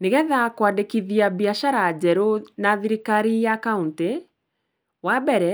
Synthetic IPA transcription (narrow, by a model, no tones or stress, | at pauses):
neɣɛðakwadekiðiabiaʃaɾad͡ʑɛɾonaðiɾikaɾijakaunte | wabɛɾɛ